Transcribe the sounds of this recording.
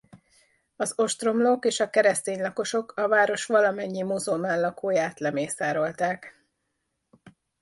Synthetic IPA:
ɒzo̞ʃt̪ro̞mlokeːʃɒkɛɾɛst̪eːɲlɒko̞ʃo̞kʰɒvaːɾo̞ʃʋɒlɒmɛɲːimozolmaːnlɒkoːjaːt̪lɛmeːsaːɾo̞lt̪aːk

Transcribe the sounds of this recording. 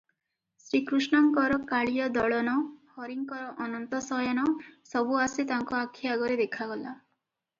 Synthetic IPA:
sɾikɾusnɔŋkɔɾɔkaɭijɔd̪ɔɭɔnɔhɔɾiŋkɔɾɔʔɔnɔnt̪ɔsɔjɔnɔsɔbuasit̪aŋkɔakʰːiaɡɔɾed̪ekʰaɡɔla

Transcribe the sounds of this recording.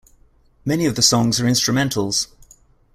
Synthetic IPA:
mɛniəvðəsɒ̃ŋzəɹɪ̃nstɹ̥əmɛ̃ntʰəlˠz̥

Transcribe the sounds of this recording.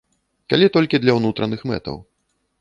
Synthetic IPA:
kalʲit̪ɔlʲkʲid̪lʲɐwnut̪ɾʔɐnɨxmɛ̰t̪ɐ̰w

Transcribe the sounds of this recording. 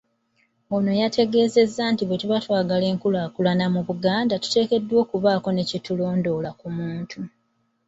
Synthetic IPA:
ono̞jatʰe̞ɡe̞ːze̞zːantiβetuβatwaːɡale̞ːŋkulakulanamuβuɡaːndatu̥te̞ːke̞dːwo̞ːkuβaːko̞ne̞cetulo̞ːndo̞lakumuːntʰu

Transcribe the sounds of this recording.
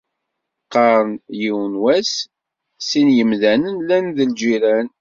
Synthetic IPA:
qːɑɾˤənjiwənwæs | sinjəmðænənlænðəld͡ʒiɾæn

